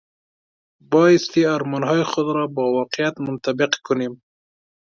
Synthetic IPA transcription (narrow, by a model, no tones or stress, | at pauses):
bɑjɪst̪eaɾmɑnɦɑjɪxʊd̪ɾɑbɑwɑqɪjat̪mʊnt̪abɪqkʊnem